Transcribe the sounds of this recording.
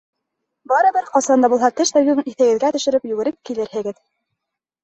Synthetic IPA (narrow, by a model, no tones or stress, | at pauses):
bɑɾɤbɘɾqɑsɑnd̪ɑbulˠhɑt̪ɘʃt̪æwɡɵiθɘ̆ɡɘ̆ðɡæt̪ɵ̆ʃɘ̆ɾɘpjʉɡɘ̆ɾɘp̚kilɘɾhɘ̆ɡɘð